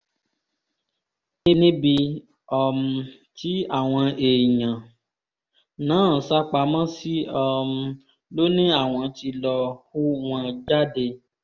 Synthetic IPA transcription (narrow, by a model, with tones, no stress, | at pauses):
nĩ˦nĩ˦bi˧ | ɔ˧m̩˧ | ti˨˦a˦˨w̃ɔ̃˧e˨ɲã˨ | nãː˨˦˨sa˦k͡pa˧mã˦si˦ɔ˧m̩˧ | lo˦nĩ˦a˦˨w̃ɔ̃˧ti˧lɔ˧hu˦w̃ɔ̃˧d͡ʒa˦de˧